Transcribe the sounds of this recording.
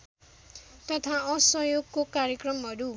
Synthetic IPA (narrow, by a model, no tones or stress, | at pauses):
t̪ʌt̪ʰaʌsʌjoɡkokaɾjekrʌmɦʌɾu